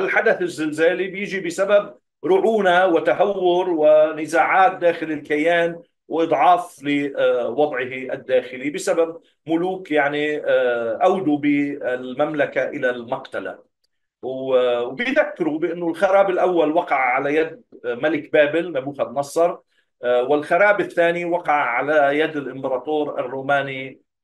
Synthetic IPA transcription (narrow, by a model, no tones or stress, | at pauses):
ɪlħad̪aθɪzːɪlzaːlibjɪʒibɪsabab̚ | ɾʊʕuːnawɪt̪aɦawːʊɾwɪnɪzaːʕaːt̪̚d̪aːxɪlɪlkajaːn | wʔɨd̪ˤʕɑːflɪwɑd̪ˤʕɪɦiʔad̪ːaːxɪlibɪsabab̚ | mʊluːkjaʕni | ʔawd̪ubɪɪlmamlakaʔɪlalmaqt̪ala̰ | wwbɪjðakːɪɾubɪʔɪnːʊlxɑɾˤɑːbɪlʔawːalwɑqɑʕʕalajad̪̚malɪkbaːbɪlnabuːxad̪nɑsˤːɑɾˤ | wɪlxɑɾˤɑːbɪθːaːniwɑqɑʕʕalajad̪ɪlʔɪmbɑɾˤɑːt̪oːɾa̰rːuːmaːni